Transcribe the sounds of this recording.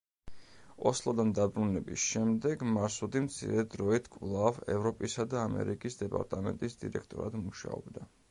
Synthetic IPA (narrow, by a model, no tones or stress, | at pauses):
ɔslˠɔd̪and̪abɾunɛbisʃɛmd̪ɛɡmaɾsud̪imt̪sʰḭɾɛd̪ɾɔit̪ʰkʼvlˠavɛ̰vɾɔpʼisad̪aːmɛ̰ɾikʼisd̪ɛpʼa̰ɾt̪ʼamɛnt̪ʼisd̪ḭɾɛk̚ʰt̪ʼɔɾad̪muʃa̰ɔbd̪a